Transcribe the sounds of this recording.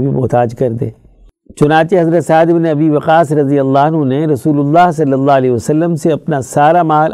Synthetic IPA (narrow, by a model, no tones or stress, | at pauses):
bʱimʊɦt̪aːd͡ʒkɐɾd̪ḛː | t͡ʃʊnaːt͡ʃeɦɐzɾət̪saːɪd̪ɪbneɐbiʋɐqaːsɾɐzijəlːaːɐnɦũneɾɐsuːlʊlːaːɦsɐlːəlːaːɐlɛːiʋɐsɐlːəmseɐpnasaːɾamaːl